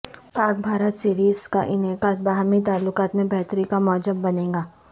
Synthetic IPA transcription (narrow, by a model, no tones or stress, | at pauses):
paːk̚bʱaːɾət̪siːɾiːzka̰ʔɪnekabaːɦmit̪aːlːʊkaːt̪mẽbɛɦt̪ɾikamɔːd͡ʒəbːɐnẽːŋɡaː